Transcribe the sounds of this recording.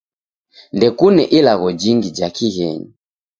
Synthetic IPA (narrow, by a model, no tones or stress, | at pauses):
ndɛkunɛʔilaɣɔd͡ʒiŋɡid͡ʒakiɣɛɲi